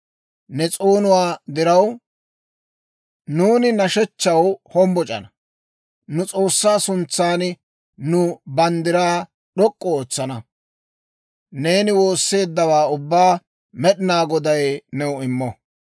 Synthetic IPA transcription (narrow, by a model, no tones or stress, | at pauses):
nɛt͡sʼoːnʊwaːd̪ɪɾɐw | nuːnɪnɐʃɛt͡ʃːɐwhɔmbɔt͡ʃʼɐ̰nɐ | nʊt͡sʼo̞ːsːaːsʊnt͡sːaːn | nʊbɐnd̪ɪɾaː | ɗɔkʼːɔoːt͡sːɐnɐ | ne̞ːnɪwo̞ːsːe̞ːd̪ːɐwaːʊbːaː | mɛɗɪnaːɡɔd̪ɐjnɛwʊɪmːɔ